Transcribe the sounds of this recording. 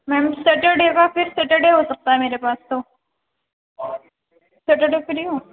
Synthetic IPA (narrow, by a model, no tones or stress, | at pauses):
mɛ̃ːmsɐʈeɖekafɪɾsɐʈeɖeɦosɐk̚t̪aɦɛmeːɾepaːst̪o | sɐʈeɖefɪɾiõ